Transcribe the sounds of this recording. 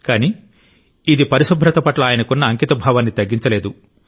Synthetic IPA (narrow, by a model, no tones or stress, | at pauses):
kaːni | id̪ipɐɾiʃɐbʱɾɐt̪ɐpɐʈlɐaːjɐnɐkunːɐːŋkit̪ɐbʱaːʋanːit̪ɐɡːiɲt͡ʃɐleːd̪u